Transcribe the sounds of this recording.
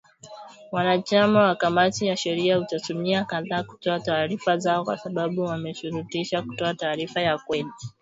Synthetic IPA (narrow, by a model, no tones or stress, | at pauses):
wanat͡ʃamawakamatijaʃɛɾiautatumiakaðaːku̥tɔataːɾifazaɔkwa̰saɓaɓuwamɛʃuɾutiʃaku̥tɔataːɾifajakwɛɗi